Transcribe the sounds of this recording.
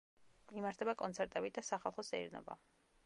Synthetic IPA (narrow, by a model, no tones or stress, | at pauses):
mimaɾt̪ʰɛbakʼɔnt̪sʰɛɾt̪ʼɛbid̪asaχalˠχɔst̪ʼɛḭɾnɔ̰ba̰